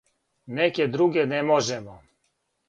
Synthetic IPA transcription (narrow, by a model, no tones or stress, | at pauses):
nɛkɛd̪ɾuɡɛnɛmoʒɛmɔ